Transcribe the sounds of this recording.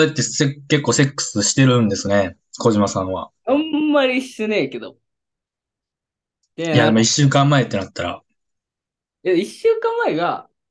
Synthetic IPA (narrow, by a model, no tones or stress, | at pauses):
et̪ːe̞seke̞kːo̞ːse̞kːɯ̟̥sɨɕi̥t̪e̞ɾɯ̟̃nd̪e̞sɨne̞ | kʰo̞ʑimasãɰ̃βa̰ | ãmːaɾʲiiɕːɯneːke̞d̪o̰ | ejaimoiɕːɨːkãmːae̞t̪ːe̞nat̪ːaɾa̰ | eiɕːɨːkãmːaeɡa